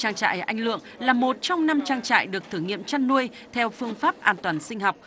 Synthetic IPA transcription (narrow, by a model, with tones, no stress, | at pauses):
t͡ɕaː˧ŋt͡ɕa̰ː˧˨jʔa˧jŋ̟lɨ̰˧˨əŋlaː˨˩mo˨˩t̚t͡ɕɔ˧wŋ͡mna˧mt͡ɕaː˧ŋt͡ɕa̰ː˧˨jɗɨ˨˩ək̚t̪ʰɨ˧˩ŋḭ˧˨əmt͡ɕa˧nnːu˧əj | t̪ʰɛ˧wfɨ˧əŋfaː˦˥p̚ʔaː˧nt̪waː˨˩nsï˧ŋ̟hɔ˨˩wk͡p̚